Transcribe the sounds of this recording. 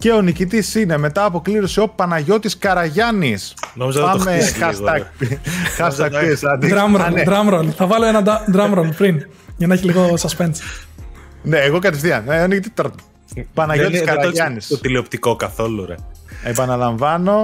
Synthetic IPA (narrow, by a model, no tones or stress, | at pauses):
ce̞o̞nicit̪̬isine̞me̞t̪ɐːpo̞kliɾoseo̞pɐnɐʝo̞t̪iskɐɾɐʝɐnisnomizɐðpɐmexɐsɐpxɐsɐkiesɐd̪iɾɐmɾolned̪ɾɐmɾolθɐvɐloenɐd̪ɐd̪ɾɐmɾolpɾin | ʝɐnɐeçiliɣosɐspens | neːɣo̞kɐt̪efθiɐneonicit̪it̪ɾt̪ | pɐnɐʝot̪iskɐɾɐʝɐnisot̪iliopt̪ikokɐθo̞luɾḛepɐnɐlɐɱvɐno̞